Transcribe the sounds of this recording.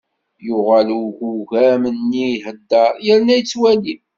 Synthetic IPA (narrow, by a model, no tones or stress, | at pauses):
jʊʁæluʝuʝæmənːiɦəd̪ːɑɾˤjəɾnæjt͡sːwæli